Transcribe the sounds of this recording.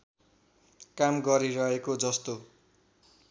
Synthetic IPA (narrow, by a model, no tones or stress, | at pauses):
kamɡʌɾiɾʌɦekod͡zʌst̪o